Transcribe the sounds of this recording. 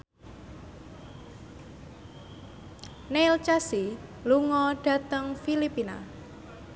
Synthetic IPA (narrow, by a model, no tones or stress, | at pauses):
nelt͡ʃasiluŋɔɖ̥ä̤t̪əŋfilipina̰